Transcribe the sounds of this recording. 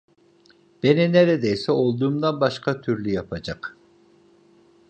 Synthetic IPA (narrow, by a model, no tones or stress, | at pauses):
b̥enineɾɛd̪ejsɛo̞lˠd̪uːmd̪anbaʃkʰat̪ʰyɾlyjapʰad͡ʒɑq